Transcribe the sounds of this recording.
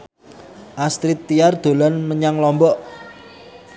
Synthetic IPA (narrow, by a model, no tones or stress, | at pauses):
ʔast̪ɾit̪ːiard̪̥o̤lɔnməɲaŋlɔmbɔʔ